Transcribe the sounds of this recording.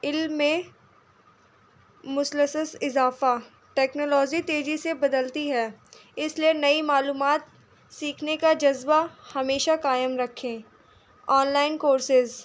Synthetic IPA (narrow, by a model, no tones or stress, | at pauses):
ɪlːẽ | mʊsləsəsɪzaːfa | ʈɛːknoːlɔːd͡ʒit̪eːd͡ʒisebɐd̪əlt̪iɦɛːɪslienɐimaːluːmaːt̪̚ | siːkʰnekad͡ʒɐzbahɐmeːʃakaːjəmɾɐkʰːẽː | ɔːnlaːɪnkoːɾsɪz